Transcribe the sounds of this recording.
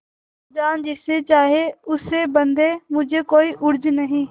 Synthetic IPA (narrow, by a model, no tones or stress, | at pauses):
d͡ʒaːnd͡ʒɪset͡ʃaːɦeʊsebənd̪eːmʊd͡ʒʱekoːiːʔʊɾd͡ʒnəɦĩː